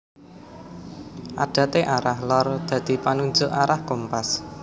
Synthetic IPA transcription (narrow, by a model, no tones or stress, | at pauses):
ʔaɖ̥ä̤t̪eʔaɾahlɔrd̪̥ä̤d̪̥i̤panuɲd͡ʒʊʔaɾahkompas